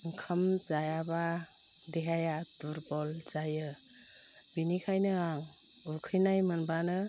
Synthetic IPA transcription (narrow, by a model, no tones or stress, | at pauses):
ŋkʰamzajaba | deɦajaduɾbɔlz̥ajɯ | binikʰajnɯaŋ | ukʰɯjnajmɯnbanɯ